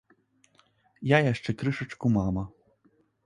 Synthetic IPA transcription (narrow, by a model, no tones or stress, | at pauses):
jajaʂt͡ʂɛkɾɨʂɐt͡ʂkumamɐ